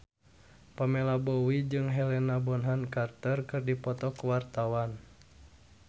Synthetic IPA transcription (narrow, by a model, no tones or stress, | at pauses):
pamɛlabɔwid͡ʒɨŋɦɛlɛnabɔnɦankart̪ərkɨrdipɔt̪ɔkuwart̪awan